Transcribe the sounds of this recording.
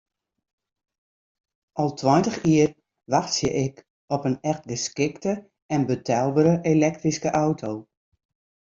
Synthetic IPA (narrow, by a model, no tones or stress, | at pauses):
ʔɔlˠtʰwɔjntəxiər | ʋaxsjəʔɪk | ɔpənɛxt̚ɡəskɪktə | ɛnbətʰɛlˠbəɾəʔelɛk̚triskəʔawtʰow